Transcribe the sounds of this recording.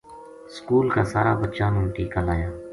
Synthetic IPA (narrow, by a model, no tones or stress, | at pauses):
skuːlkaːsaːɾa̰ːbətːt͡ʃaːnũːʈiːkaːlaːjaː